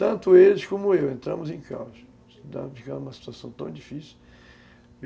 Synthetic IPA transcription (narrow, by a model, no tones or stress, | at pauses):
t̪ɐ̃nt̪ʊelɪskõmʊewẽnt̪ɾɐ̃mʊzẽka̰wʃɐ | sd̪a̰fikãd̪umɐsi̥t̪uasɐ̃w̃t̪ɐ̃w̃d͡ʒifisi